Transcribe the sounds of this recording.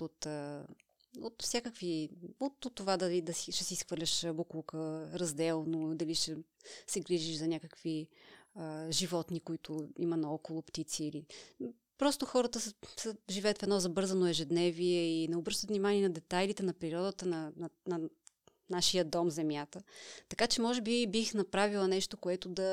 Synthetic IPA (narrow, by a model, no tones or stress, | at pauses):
ot̪ə | ot̪fsʲakəkviot̪ot̪ːovad̪ɐlid̪ɐsiʃɛsiisxvəɾlʲɐʃbuklˠkəɾɐzd̪ɛlˠnod̪ɐliʃɛsɛɡɾiʒiʃzɐnʲakəkviəʒivɔt̪nikoit̪ʰʊimɐnɐɔkolˠʊpt̪it̪siːli | pɾɔst̪oxɔɾət̪əssɛʒivɛət̪fɛd̪nɔzɐbɤɾzɐnoɛʒɛd̪nɛviɛinɛobɾɤʃt̪ət̪vnimaniɛnɐd̪ɛt̪ajlit̪ɛnɐpɾiɾɔd̪ət̪ənɐnnɐ | naʃijəd̪ɔmzɛmjat̪ət̪ɐkat͡ʃɛmɔʒɛbibixnɐpɾavilˠənɛʃt̪okoɛt̪od̪ɐ